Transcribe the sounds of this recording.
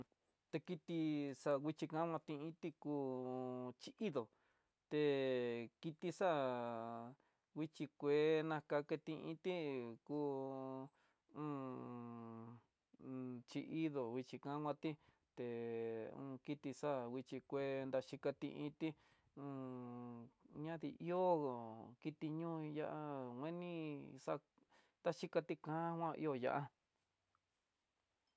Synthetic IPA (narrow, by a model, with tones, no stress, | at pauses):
t̪e˧ki˧t̪i˧sa˧wʷi˧t͡ʃi˧kã˦ŋʷã˧t̪ĩ˧ĩ˦t̪i˦˧kuː˧ | t͡ʃi˧ʔi˦ðo˨ | t̪e˧ki˧t̪i˧sa˦˨ | wʷi˦t͡ʃi˧kʷe˧˦nã˧ka˧ke˧t̪ĩ˧ʔḭ̃˧t̪i˦ku˦ | ũ˦ | t͡ʃi˧i˦ðo˨wi˧t͡ʃi˧kã˦ŋʷã˧t̪i˦ | t̪e˨ṵ̃ː˧ki˦t̪i˧sa˦˨wi˧t͡ʃi˧kʷe˦˧nd̪a˧ʃi˧ka˧t̪ḭ̃˧ʔĩ˧˦t̪i˦ | ũ˧ | ɲã˦ði˧ʔi˦o˦˨ki˧t̪i˧ɲũː˦˧ja̰˧ʔa˧wʷẽ˦nĩ˦sa˦˧ | nd̪a˦ʃi˧ka˧t̪i˦kã˦hʷwã˦˧ʔḭ˧o˧ja̰˧ʔa˦